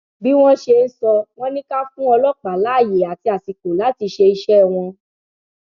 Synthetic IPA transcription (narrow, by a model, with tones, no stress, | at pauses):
bi˦w̃ɔ̃˦ʃe˧n̩˦sɔ˧w̃ɔ̃˦nĩ˦ka˦fũ˦ɔ˧lɔ˦k͡pa˨la˨˦˨je˨a˨ti˧a˨si˨ko˨la˨˦ti˧ʃe˧i˧ʃɛ˦˨w̃ɔ̃˧